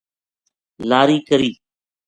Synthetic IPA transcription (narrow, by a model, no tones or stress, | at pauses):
laːɾiːkəɾiː